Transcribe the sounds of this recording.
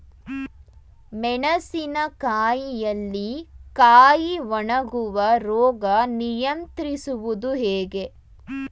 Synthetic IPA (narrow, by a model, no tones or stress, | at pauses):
mɛɳɐsinɐkaːjijɐlːikaːjiʋɐɳɐɡuʋɐɾɔːɡɐnijɐnt̪ɾisuʋud̪uɦɛːɡe̞